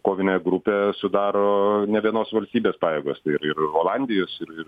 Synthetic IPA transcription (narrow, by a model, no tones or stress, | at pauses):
koːʋʲɪnʲeːɡɾʊpʲeːsʊd̪ɑːɾoːnʲɛʋʲiɛnoːsʋɐlʲsʲt̪ʲiːbʲeːspɑːjeːɡoːst̪ɐɪɪɾɪɾoːlˠɑnʲd̪ʲɪjoːsɪɾɪr